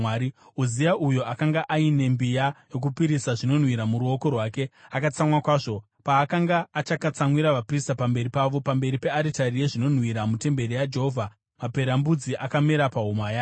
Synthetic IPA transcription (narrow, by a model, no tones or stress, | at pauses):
aɾi | uzijaʔujo̞akaŋɡaʔaine̞mbijajo̞k̬upiɾisaʐino̞n̤wiɾamuɾuo̞ko̞rwaːke̞akat͡samwakwaːʐo̞ | paːkaŋɡaːt͡ʃakat͡samwiɾaʋapristapambe̞ɾipaʋo̞pambe̞ɾipe̞aɾitarije̞ʐino̞n̤wiɾamute̞mbe̞ɾijad͡ʒe̞ɦo̞vʱa | mape̞ɾambud͡ziʔakameɾapaɦumaja